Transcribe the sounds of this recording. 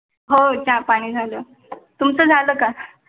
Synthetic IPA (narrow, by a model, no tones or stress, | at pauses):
ɦot͡ɕapaɽ̃iːd͡zʱaləː | t̪umt͡səːd͡zʱaləːka